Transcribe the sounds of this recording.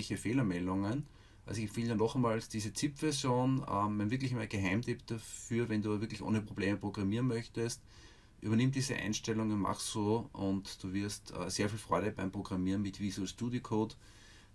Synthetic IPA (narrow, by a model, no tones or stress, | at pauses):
ɪçəfeːlɐmɛldʊŋən | ʔa̰sɪçfɪnanɔχmaːlsd̥iːzət͡sɪpv̥ɛɐzjoːnmɛnmvɪɐk̬lɪçmaɡ̥eɦæɪmtʰɪpd̥afyːɐvɛnduːvɪɐklɪçʔo̰ːnəpʁ̥ob̥leːməpʁ̥oɡʁamiːɐnmœçtəst | ʔy̰ːbɐnɪ̃md̥iːzə̰ʔæ̰ɪnʃtɛlʊŋənma̰χssoːʔʊntd̥uːvɪɐstːseːɐfiːlfʁ̥ɔʏɾəbæɪmpʁ̥oɡ̥ʁamiːɐnmɪtvizuɛstuːdikʰoːt